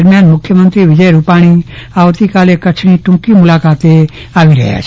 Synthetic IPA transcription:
ɾmjaːnmʊkʰːjəmə̃nt̪ɾiʋɪd͡ʒəjɾupaːɽ̃iaːʋt̪ikaːlekɐt͡ʃʰɽ̃iʈʊ̃ːkimʊlaːkaːt̪e | aːʋiɾɐ̰ɦja̰t͡ʃʰ

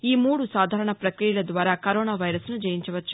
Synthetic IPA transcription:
iːmuːɽusaːd̪ʱaːɾɐɳɐpɾɐkɾijɐlɐd̪ʋaːɾaːkɐɾoːnaːʋɐjɾɐsnud͡ʒɐjiɲt͡ʃɐʋɐt͡ʃːu̥

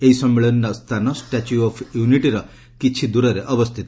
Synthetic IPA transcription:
eɦisɔmːeɭɔnːɔst̪ʰanɔsʈat͡ʃuɔpʰjuniʈiɾʌ | kit͡ʃʰid̪uɾɔɾeʔɔbɔst̪ʰit̪ɔ

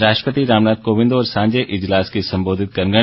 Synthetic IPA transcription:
ɾaːʃʈpət̪iɾaːʋnaːd̪̚koːʋɪ̃nd̪oɔːɾsãːɲd͡ʒeʔɪd͡ʒlaːskisɐ̃mboːd̪ʱɪt̪̚kɐɾŋɡə

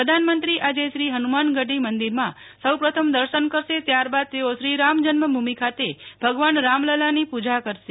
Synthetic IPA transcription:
ɾəd̪ʱanmənt̪ɾiʔad͡ʒeʃɾiɦənumanɡəɖimənd̪iɾmã | səwpɾət̪ʰəmd̪əɾʃənkəɾʃet̪jaɾbad̪̚t̪eoʃɾiɾamd͡ʒənməbʱumikʰat̪ebʱəɡʋanɾamləlanipud͡ʒakəɾʃe

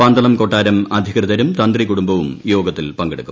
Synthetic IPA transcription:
aːnd̪ɐlɐmko̞ʈːaːɾɐmɐd̪ʱikrɐðɐɾumt̪ɐnd̪rikuɽumbɐʋumjo̞ːɡɐt̪ːilpɐŋɡeɽukːu̥

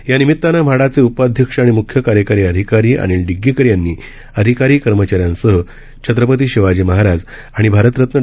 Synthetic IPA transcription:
janimit̪ːanamʱaɽat͡seupad̪ʱjəkʂəaɽ̃imukʰjəkaɾjəkaɾiːəd̪ʱikaɾiːʔa̰ɽ̃iːlɖiɡːikəɾjanːiː | əd̪ʱikaɾiːkəɾmət͡ɕaɾjãnsəɦə | t͡ɕʰət̪ɾəpət̪̬iːɕiʋad͡ʑiməɦaɾad͡z | aɽ̃ibʱaɾət̪ɾət̪nə

